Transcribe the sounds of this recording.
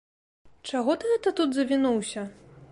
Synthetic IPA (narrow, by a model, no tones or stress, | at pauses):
t͡ʂaɣɔt̪ɨɣɛt̪ɐt̪ud̪zɐvʲinuwsʲɐ